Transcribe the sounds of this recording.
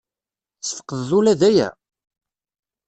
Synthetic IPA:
sθə̥qəððulæðæjæ̰

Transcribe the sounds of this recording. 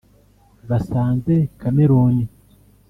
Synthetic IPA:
βasaːnzekameɾoːni

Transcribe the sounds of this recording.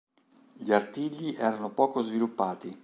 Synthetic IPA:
ʎiart̪iʎːiʔɛːɾanopɔːkozvilupːaːt̪i

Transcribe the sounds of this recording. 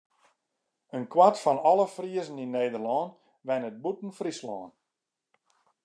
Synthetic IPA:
ənkwatfɔnɔləfriəzninːeːdərlɔːn | ʋɛnət̚butn̩frislɔːn

